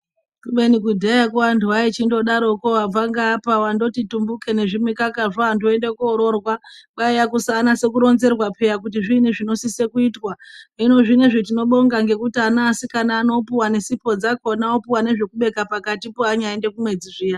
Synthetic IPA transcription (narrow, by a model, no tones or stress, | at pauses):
kuɓe̞nikudʱejakuwantʰuait͡ʃindo̞ɗaɾo̞koab͡vaŋɡaːpawando̞titumbuke̞ne̞ʐimikakaʐaːndoendekːɾo̞rwakaijakusanase̞kuɾo̞nze̞rwapʰe̞jak̬ut̬iʐiniʐino̞sisekuitwaino̞ʐineʐet̬ino̞ɓo̞ŋɡaŋɡe̞kutianaːsikanaːno̞piwane̞sipo̞d͡zakonaopiwane̞ʐe̞kuɓe̞kapakatipoaɲaende̞kumwe̞d͡ziʐija